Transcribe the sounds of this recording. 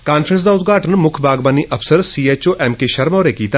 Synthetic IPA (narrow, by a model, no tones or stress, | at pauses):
kaːnfɾə̃ns̬d̪aːʊt̪ɡʱaːʈənmʊkʰbʱaːɡbaːniʔɐpʰsəɾsiːeːt͡ʃoːʔɛːmkeʃɐɾmɔːɾekiːt̪aː